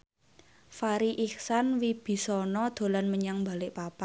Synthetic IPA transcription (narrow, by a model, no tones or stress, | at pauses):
faɾiʔiksanwib̥i̤sɔnɔd̪̥o̤lanməɲaŋmba̤lɪʔpapa